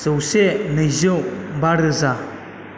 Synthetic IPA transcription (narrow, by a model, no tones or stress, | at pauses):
zɯwsenɯjzɯwbaɾɯza